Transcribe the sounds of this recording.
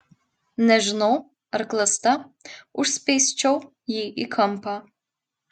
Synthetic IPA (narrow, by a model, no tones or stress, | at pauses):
nɛʐno | rklɐst̪ɐuʂspejst͡ʃʰow | jiikʰɐmpʰɐ